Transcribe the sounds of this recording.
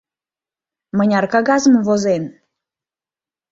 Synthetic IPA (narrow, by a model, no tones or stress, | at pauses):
mənʲɑrkɑɡɑzəmvozen